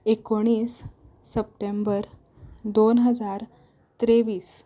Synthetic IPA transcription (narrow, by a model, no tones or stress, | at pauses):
ekoɽ̃iːsː | əp̚ʈembəɾ | d̪onɦəd͡zaɾ | t̪ɾeʋiːs